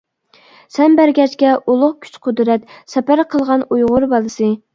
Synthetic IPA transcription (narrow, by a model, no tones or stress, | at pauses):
sɛnbæɾɡʲɛt͡ʃkʲɛʔulˠʊχkʲʰy̥t͡ʃqʰʊd̪ɾɛt̪sɛpæɾqʰəlˠʁɑnujʁʊɾbɑlˠɨsɨ